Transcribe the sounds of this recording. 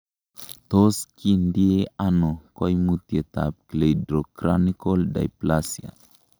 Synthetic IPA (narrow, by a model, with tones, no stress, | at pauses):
t̪o˦ski˦ndi˦e˦ano˨ko˦jmut̪ie˨t̪a˨p̚kle˨jdɾo˨kɾani˦ko˦lda̰˨jplasja̰˨